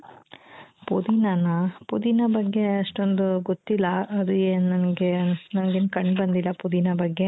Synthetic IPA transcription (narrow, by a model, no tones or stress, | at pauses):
pud̪inɐnɐpud̪inɐbɐɡːe̞ɐʂʈond̪uɡot̪ːilːɐɐd̪ueːnnɐnɡenɐnɐɡeːnkɐɳɖbɐnd̪ilːɐpud̪inɐbɐɡːe